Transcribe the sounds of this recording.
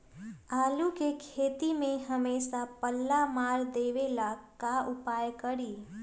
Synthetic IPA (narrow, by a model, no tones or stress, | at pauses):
aːlukekʰeːt̪imẽɦəmeːsapəlːamaːɾd̪eːʋelakaʔʊpaːjkəɽiː